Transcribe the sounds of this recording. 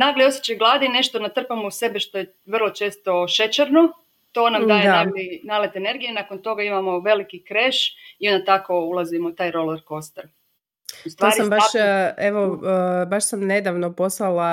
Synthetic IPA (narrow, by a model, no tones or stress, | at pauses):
naːɡlio̞sjet͡ʃajɡlˠaːd̪ine̞ʃt̪onat̪r̩pamose̞beʃt̪o̞je | ʋrlˠot͡ʃe̞ːst̪o̞ʃe̞t͡ʃeɾno | t̪o̞ːnamd̪ːjed̪aaɡlinalet̪ene̞ɾɡijenako̞nt̪o̞ɡaimamo̞ʋe̞likikɾe̞ːʃio̞nd̪at̪ako̞ulˠazimot̪aːjɾo̞leɾko̞st̪eɾ | ust̪ʋaːɾsiabaeʋobaʃsamne̞d̪aʋnoposlˠalˠa